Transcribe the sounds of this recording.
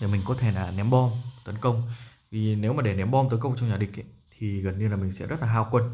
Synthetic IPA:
aː˨˩mï˨˩ŋ̟kɔ˨˦t̪ʰe˧˩laː˨˩nɛ˨˦mɓɔ˧mt̪ə˨˦nkə˧wŋ͡m | vi˨˩ne˨˦wmaː˨˩ɗe˧˩nɛ˨˦mɓɔ˧mt̪ə˨˦nkə˧wŋ͡mt͡ɕɔ˧ŋ͡mɲaː˨˩ɗï˨˩k̚ʔt̪ʰi˨˩ɣə˨˩nɲɨ˧laː˨˩mï˨˩ŋsɛ̰˧˥zə˦˥t̚laː˨˩ɦaː˧wkwə˧n

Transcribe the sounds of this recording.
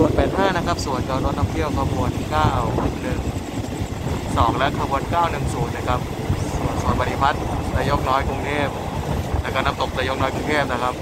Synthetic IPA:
su˨˩ənpɛː˨˩t̪̚haː˥˩na˦˥kʰa˦˥p̚su˨˩ənkaː˧ɾo˦˥t̪̚nɔː˥˩ŋt̪ʰi˥˩əwkʰaː˧˩mu˧˩ənkaː˥˩wnɯ˨˩ŋ | sɔː˩˦ŋlɛ˦˥kʰaː˧buː˧˩nkaː˥˩wnɯ˨˩ŋsuː˨˩˦nːa˦˥˩kʰa˦˥p̚ | su˨˩ənsu˨˩ənpa˧ni˧˩pʰa˦˥t̪̚laː˧jo˦˥k̚nɔː˦˥jku˧ŋt̪ʰeː˥˩p̚ | lɛː˧˩kɔː˧˥˩na˦˥m̚t̪o˨˩p̚t̪a˧jo˦˥k̚nɔː˦˥jku˧ŋtʰeː˥˩p̚na˦˥˩kʰa˦˥p̚

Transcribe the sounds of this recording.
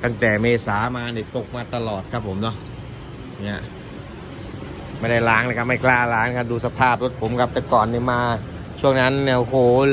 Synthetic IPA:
t̪a˥˩ŋt̪ɛː˨˩meː˧saː˩˦maː˧ni˦˥˩t̪o˨˩k̚maː˧t̪a˧lɔː˨˩t̪̚kʰa˦˥pʰːo˩˦mnɔ˦˥˩ | ni˦˥˩ɐʔ | ma˥˩jda˥˩jlaː˦˥ŋla˧˩kʰa˥p̚ːma˥˩jklaː˥˩laː˦˥ŋ˧kʰa˦˥p̚duː˧sa˧pʰaː˥˩p̚lo˦˥t̪̚pʰo˩˦mkʰa˦˥p̚t̪ɛː˨˩kɔː˨˩nːi˧˥˩maː˧ | t͡ɕʰu˥˩əŋna˦˥nːi˧˩ʔo˧hoː˨˩

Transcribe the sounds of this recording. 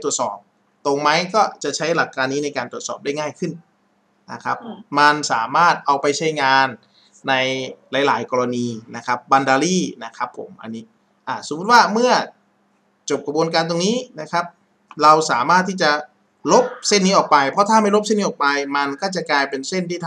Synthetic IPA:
t̪u˨˩ət̪̚sɔ̰ː˨˩p̚ | t̪o˧ŋma˦˥jkɔː˥˩t͡ɕa˨˩ʔt͡ɕʰa˦˥jla˨˩kʰːaː˧nːiː˦˥na˧jkaː˧nt̪u˨˩ə˩t̪sɔː˨˩p̚daː˥˩jŋaː˥˩jkʰɯ˥˩n | na˦˧˩kʰa˦˥p̚ma˧nsa̰ː˩˦maː˥˩t̪̚ʔa˧wpa˧jt͡ɕʰa˦˥jŋaː˧nː | a˧jlaː˨˩˦jlaː˩˦jkɔː˧ɾa˧niː˧na˦˥kʰa˦˥p̚ba˧ndaː˧liː˥˩na˦˥kʰa˦˥pʰːo̰˩˦mʔa̰˧nːiː˦˥ | ʔaː˧˩so˨˩˦mːu˦˥t̪̚waː˥˩mɯ˥˩ɐ | t͡ɕo˨˩p̚kʰa˧bu˧nk̬aː˧nt̪̬o˧ŋniː˦˥na˦˥kʰa˦˥p̚ | ɾa˧wsaː˩˦maː˥˩t̪ʰːiː˥˩t͡ɕa˨˩ | lo˦˥p̚se˥˩nːiː˦˥ʔɔː˨˩k̚pa˧jpʰɔ˦˥t̪ʰaː˥˩ma˥˩jlo˥p̚se˥˩ni˦˥ʔɔː˨˩k̚pa˧jma˧nkɔː˥˩t͡ɕa˨˩klaː˧jpe˧nse˥˩nt̪ʰiː˥˩t̪ʰ

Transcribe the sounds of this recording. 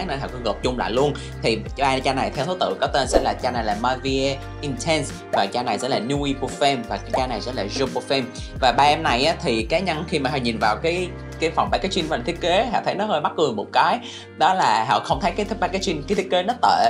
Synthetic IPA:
ŋnə˧jɦɔ̰˧˨˩kɔ˧˨˦ɣəː˨˩p̚t͡ɕʊ˧ŋ͡mla̰ː˧˨jlu˧ən | t̪ʰi˨˩t͡ɕaː˧t͡ɕaː˧na˨˩jt̪ʰɛ˧wt̪ʰu˨˦t̪ɨ̰˧˨kɔ˨˦t̪e˧nsɛ̰˧˥laː˨˩t͡ɕaː˧na˨˩jlaː˨˩maː˧vi˧e˧ | ʔi˧nt̪ʰɛ˧ns | vaː˨˩t͡ɕaː˧na˨˩jsɛ̰˧˥laː˨˩nu˧i˧po˧fɛ˧mvaː˨˩kaː˨˦t͡ɕaː˧na˨˩jsɛ̰˧˥laː˨˩zu˧po˧fɛ˧m | vaː˨˩ɓaː˧ʔɛ˧mna˨˩jʔaː˨˦t̪ʰi˨˩kaː˨˦jɲə˧nxi˧maː˨˩ɦɔ̰˧˨ɲi˨˩nvaː˨˩wkaː˨˦j | kaː˨˦jfa˨˩ŋ͡mɓaː˧˩kaː˨˦jsi˧nvaː˨t̪i˦˥ət̚ke˨˦ɦɔ̰˧˨t̪ʰə˨˦jnɔ˨˦həː˧jɓa˦˥t̚kɨ˨˩əŋmo˨˩t̚kaː˨˦j | ɗɔ˨˦laː˨˩ɦɔ̰˧˨xə˧wŋ͡mt̪ʰə˨˦jkaː˨˦jt̪ʰɓaː˧˥kaː˨˦jsi˧nka˨˦t̪ʰi˦˥ək̚e˨˦nɔ˨˦t̪ə˧˨

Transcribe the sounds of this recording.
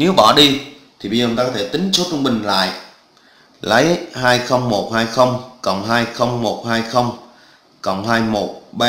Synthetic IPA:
ne˨˦wɓɔ˧˩ɗi˧ | t̪ʰi˨˩ɓə˧zːt̪aː˧ɔ˦tʰe˧˩t̪ï˨˦ŋ̟so˦˥t̚t͡ɕɔ˧wŋ͡mɓï˨˩ŋ̟la̰ː˧˨jʔ | lə˨˦jhaː˧jxə˧wŋ͡mmo˨˩t̚haː˧jxə˧wŋ͡mkɔ̰˨˩ŋ͡mɦaː˧jxə˧wŋ͡mmo˨˩t̚haː˧jxə˧wŋ͡m | kɔ̰˨˩nɦaː˧jmo˨˩t̚ɓaː˧

